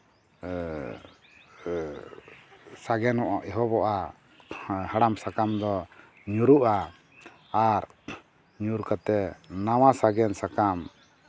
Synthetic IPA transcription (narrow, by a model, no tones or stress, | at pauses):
saɡɛnɔʔaʔɛɦɔbɔʔa | haɽamsakamd̪ɔ | ɲuɾuʔaː | ɾ | ɲuɾkat̪ɛnawasaɡɛnsakam